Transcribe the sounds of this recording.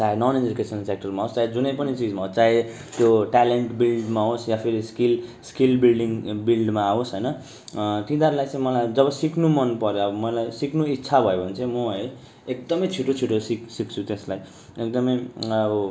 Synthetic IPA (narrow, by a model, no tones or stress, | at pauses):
t͡saenʌned͡zukesʌnlsekʈʌrmaɦost͡saed͡zunʌjpʌnit͡sid͡zmaɦost͡sae | t̪joʈaleɳʈbilɖmaɦosjapʰiɾiskilskilbilɖiŋbilɖmaːosɦʌjnʌ | t̪ĩd̪aɾlajt͡sãĩmʌlajd͡zʌβʌsiknumʌnpʌɾjoʌbʌmʌlajsiknuitːsʰabʱʌjebʱʌnt͡sʰʌ̃jmoɦʌj | ek̚d̪ʌmʌjt͡sʰiʈːot͡sʰiʈʰosiksik̚t͡sʰut̪eslaj | ek̚d̪ʌmʌj